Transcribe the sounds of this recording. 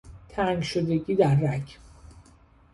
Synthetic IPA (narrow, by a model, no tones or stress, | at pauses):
t̪ʰæŋɡʃod̪e̞ɡiːd̪æɾːæcʰ